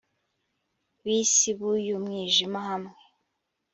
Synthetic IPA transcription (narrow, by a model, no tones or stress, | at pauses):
βiːsiβujumŋiːʒimaɦamŋe